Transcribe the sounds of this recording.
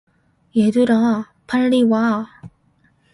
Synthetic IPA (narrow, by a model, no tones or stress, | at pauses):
jeduɾa | pʰaɭːiwa